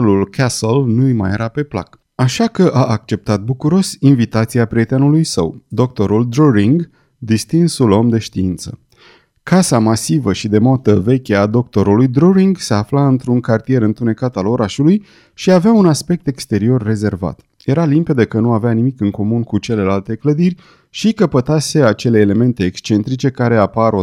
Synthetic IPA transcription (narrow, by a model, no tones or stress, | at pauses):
lulkʰasəlnujma̰jḛɾape̞pla̰k | aʃakəʔaʔːk̚t͡ʃe̞p̚t̪at̪̚bukuɾo̞sinvit̪at̪siapɾiet̪enulujsə̰wd̪o̞k̚t̪o̞ɾuld̪ɾoɾiŋɡ | d̪ist̪insulo̞md̪e̞ʃt̪iint̪sə̥̰ | kasamasivəʃid̪e̞mot̪əve̞kʲead̪o̞k̚t̪o̞ɾulujd̪ɾoɾiŋɡseaflaɨnt̪ɾuŋkart̪ije̞ɾɨnt̪une̞kat̪alo̞ɾʔaʃuluj | ʃiaveaunaspe̞k̚t̪e̞kst̪e̞ɾio̞rːe̞ze̞rva̰t̪ | je̞ɾalimpe̞d̪əkənuaveanimikɨnŋko̞munkut͡ʃe̞le̞lalt̪ekləd̪irʲ | ʃikəpət̪ase̞at͡ʃe̞le̞ːle̞me̞nt̪e̞ːkst͡ʃe̞nt̪ɾit͡ʃe̞kaɾe̞apaɾo